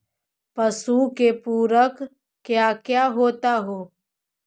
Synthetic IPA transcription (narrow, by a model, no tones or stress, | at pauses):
pəsukepuːɾək | kːjakjaːɦoːt̪aɦoː